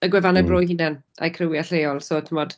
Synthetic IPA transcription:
əɡwɛvanɛbroːjhɪnɛna̰jkʰrɪwiaɬejɔlˠsoːtʰəmɔd̥

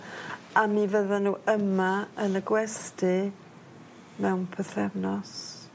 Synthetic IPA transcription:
amiːvəðɔnuːʔəmaənəɡwɛstʰɪ | mɛwnpʰəθɛvnɔs

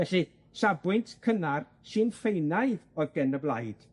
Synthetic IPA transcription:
vɛɬi | sabwɨntʰkʰənar | sɨːnfejnajðɔðɡɛnəblˠajd̥

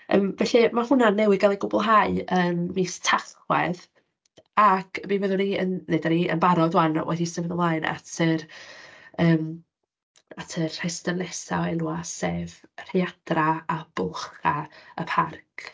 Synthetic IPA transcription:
ə̰ːmvɛɬimahʊnanːɛwɪɡalˠiɡʊbʊlˠɦaɨənmiːstʰaθwɛð | akʰbivəðʊniə̰nnejdaniə̰nbaɾɔdwanwɛ̰disəvɛðəmlˠaːɨna̰tʰər | əːm | atʰərhɛstənlɛsa̰ɛnuasevr̥ead̥raab̥ʊχaəpʰark

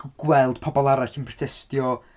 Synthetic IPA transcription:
ɡ̥wɛlˠd̥pʰɔbɔlˠaɾaɬənpʰrɔ̥tʰɛstjɔ

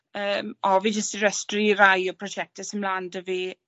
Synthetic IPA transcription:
əːmɔvid͡ʒəstiɾəstriɾajɔpʰrɔd͡ʒɛk̚təsɪnblaːndəviː

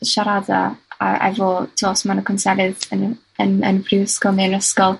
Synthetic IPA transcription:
ʃaɾada̰a̰a̰jvɔːtʰɔːsmanəkʰɔnsɛɾɪðən | ənə̰nvrɪwskɔlˠniənəskɔlˠ

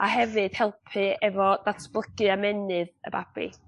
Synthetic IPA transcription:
ahɛvɨd̥hɛlˠpʰɨɛvɔdatʰb̥lˠəɡ̥ɨamɛnɨðə̰bab̥ḭ

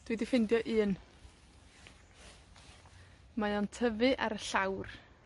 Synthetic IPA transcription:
d̥widɪfɪndjɔʔɨːn | majɔntʰəvɨʔaɾəɬawr

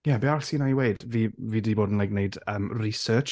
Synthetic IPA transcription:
jɛbɛasiːnaiweɨd̥viːviːdiːboːdən̩lajɡ̚neɨdəːmrisəːt͡ʃ

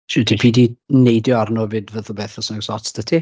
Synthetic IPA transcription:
ʃɪdʰipʰiːdinejdjɔarnɔvɨdvəðlˠbɛːθɔsənəɡsɔtsd̥ətʰi

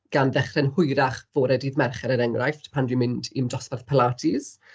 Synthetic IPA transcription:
ɡ̥anðɛχrɛnhʊjɾaχvoːɾɛdiːðmɛrχɛɾəɾɛŋrajftpʰandwimɪndimdɔsparθpʰɛlatʰiz̥

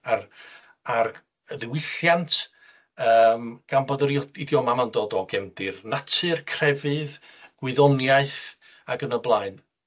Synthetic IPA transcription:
ar | ar | əðɪwɪɬjantʰ | əːmɡ̥anbɔdəɾjɔidjɔmamandoːdɔɡɛmdɪrnatʰɨrkʰrɛvɨð | ɡ̥wɨðɔnjaɨθ | aɡənəblˠaɨn

